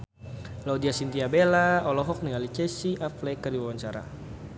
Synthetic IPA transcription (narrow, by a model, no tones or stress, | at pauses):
laudiasint̪iabelaɔlɔɦɔk̚niŋalit͡ʃɛsiʔaflɛkərdiwawaɲt͡ʃaɾa̰